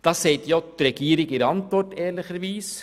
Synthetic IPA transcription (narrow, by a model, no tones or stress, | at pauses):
d̪̥ɑːseɪt̪jɔt̪ːɾɛɡiːɾɪɡɪɾɑnt̪ʋɔʈːeːlɪxʋiːs